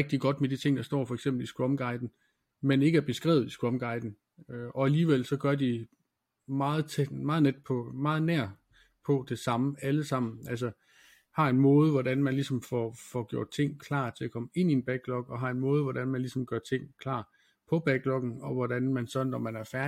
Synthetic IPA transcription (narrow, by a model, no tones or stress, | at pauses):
ɛɡ̥̚d̥iɡ̥ɒ̽d̥med̥it͡sʰe̝ŋ̰d̥ɑ̈sd̥ɒ̰ːfɒ̽eɡ̥sem̰b̥l̩isɡ̥ʁɒ̽mɡ̥ɑ̈ɪd̥n̩ | mene̝ɡəæɐb̥e̝sɡ̥ʁɛ̰ːʊð̩ˠisɡ̥ʁɒ̽mɡ̥ɑ̈ɪd̥n̩ | øɒ̽æliːʋel̰sɒ̽ɡ̥ɶɐd̥i | mɑ̈ːð̩ˠt͡sʰemɑ̈ːð̞̩ˠned̥pʰɒ̽mɑ̈ːð̩ˠnæɐ̰ | pʰɒ̽d̥e̝sɑ̈məæləsɑ̈m̰n̩æls̬ə | hɑ̈e̝nmɔ̽ːð̞ˠəʋɒd̥ænmænlisɒ̽mfɒfɒɡ̥jo̝ɐ̰d̥̚t͡sʰe̝ŋ̰kʰlɑ̰̈ːt͡sʰe̝ækʰɒ̽məe̝n̰ie̝nb̥æɡ̥̚b̥lɒ̽ɡ̥ɒ̽ɦɑ̈e̝nmɔ̽ːð̞̩ˠʋɒɾænmænlisɒ̽mɡ̥ɶɐt͡sʰe̝ŋ̰kʰlɑ̰̈ː | pʰɒ̽b̥æɡ̥̚lɒ̽ɡ̥n̩ɒ̽ʋɒd̥ænmænsɒ̽d̥n̩ːɒmænæɐfæɐ